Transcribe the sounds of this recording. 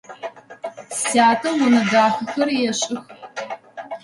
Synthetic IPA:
saːtʰɐwʊnɐdaːxɐxɐrjɛɕʼɪx

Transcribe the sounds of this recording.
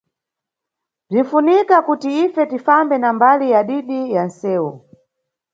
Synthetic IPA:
b͡ʐin̩funikakutiifɛtifambɛnambalijaɗiɗijan̩sɛːwɔ

